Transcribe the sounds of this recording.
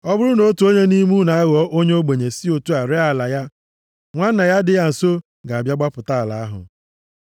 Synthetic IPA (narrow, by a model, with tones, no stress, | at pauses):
ɔ˦bʊ˦ɾʊ˦no˦tu˨o˦ɲe˦ni˦mu˦na˨a˦ɣɔ˦ʔo˦ɲe˦o˦ɡ͡be˨ɲe˨si˦o˨tu˦a˨ɾɪ˦a˦˨la˨ja˦ | ŋʷa˦n̩˦na˨ja˦dɪ˨˦ja˨n̩˨so˦ | ɡa˨a˨bja˦ɡ͡ba˦pʊ˨ta˦a˨la̰˨a˦ɦʊ̰˨